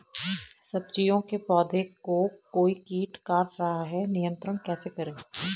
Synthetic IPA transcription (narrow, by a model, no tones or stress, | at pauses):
sɐb̚t͡ʃijõkepɔːd̪ʱekokoːikiːʈkaːɾːɐɦaɦɛnɪjə̃nt̪ɾənkɛːsekɐɾẽː